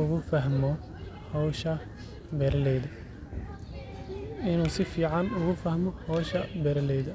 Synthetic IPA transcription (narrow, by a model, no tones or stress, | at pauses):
ʊɣʊfɐɦmɔ | hɔwʃɐ | bɛɾɐlɛjðɐ | ɪnuːsɪfiːʕɑnʊɣʊfɐhmɔhɔʃɐbɛɾɐlɛjðɐ